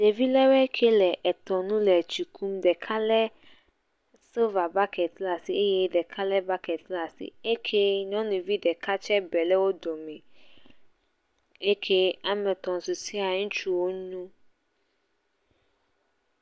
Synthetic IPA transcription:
de˨vi˦lɛ˦wɛ˦kʰe˦lɛ˨ʔɛ˨t̪ɔ˨nũ˦lɛ˨t͡ʃi˨kʰu˦mɖɛ˨kʰa˦lɛ˦ | so˦va˨ba˦kʰɛ˨t̪la˨si˨e˦je˦ɖɛ˨kʰa˦lɛ˦ba˦kɛ˨t̪la˨sḭ˨e˦kʰe˦ɲɔ̃˦nũ˨vi˦ɖɛ˨ka˦t͡ʃɛ˦bɛ˨lɛ˦wo˦dɔ˨mɛ̃˨ | e˦kʰe˦a˨mɛ̃˨t̪ɔ̃˨su˨si˦a˨ŋũ˦t͡ʃu˦wo˦ɲũ˦

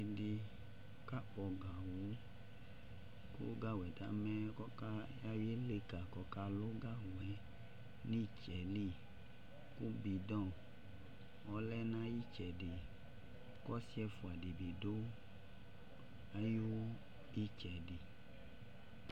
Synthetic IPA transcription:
i˨di˨ | ka˦k͡pɔ˨ɡa˨wo˨˦ | kṵ˦ɡa˦wɛ˨da˨˦mɛ̃˦kɔ˦ka˦ja˦wi˦e˦le˦ka˨kɔ˦ka˦lo˦ɡa˦wɛ˨˦ | nĩ˦t͡ʃɛ˨li˦˨ | ku˦bi˨dɔ̃˦˨ | ɔ˨˦lɛ˦nã˦ji˦t͡ʃɛ˨di˨ | kɔ˦si˦ɛ˦fu˨a˨di˨bi˨do˦ | a˦ju˦ | i˦t͡ʃɛ˨di˨

